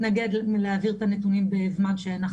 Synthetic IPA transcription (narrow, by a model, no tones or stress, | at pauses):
naɡe̞d̪leaviʁt̪anet̪unimbeːvmadʃeanaχ